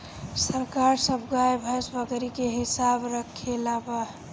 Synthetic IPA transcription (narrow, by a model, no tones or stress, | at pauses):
səɾkaɾsəbɡajbʱəsbəɡɾikeɦisabɾəkʰelabə